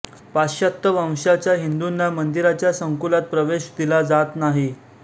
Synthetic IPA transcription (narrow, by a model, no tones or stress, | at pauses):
paɕat̪ːəʋãw̃ɕat͡ɕjaɦind̪unːamənd̪iɾat͡ɕjasəŋkulat̪̚pɾəʋeɕd̪ilad͡zat̪naɦi